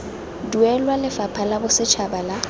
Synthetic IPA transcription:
duɛlwalɪfapʰalabʊsɪt͡ʃʰabala

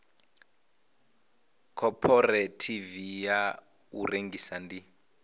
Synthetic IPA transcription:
kʰɔpʰɔretʰivija | ṵreŋɡisandi

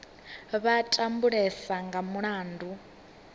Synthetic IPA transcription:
βatʼambuɺɛsaŋɡamuɺaːndʱu

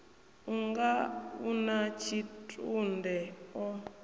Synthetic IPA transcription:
uŋɡaunat͡ʃʰitʼundɛɔ

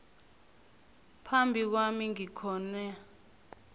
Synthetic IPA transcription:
pʰambʱik̬wamiŋikʰɔːnɛ

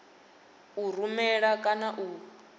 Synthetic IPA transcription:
ur̤umɛɺakʼanaʔu

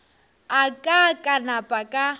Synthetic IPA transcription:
akʼakʼanapʼakʼa

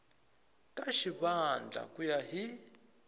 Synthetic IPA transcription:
kʼaʃiβand͡ɮʱa̰kʼujaɦi

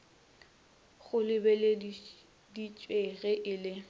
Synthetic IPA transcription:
χʊlɪbɛle | dit͡ʃʼweɣɛʔɪlɪ

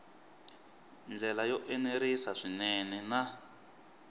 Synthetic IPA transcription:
nd͡ɮɛlajɔʔɛneɾisaʂinɛnɛna

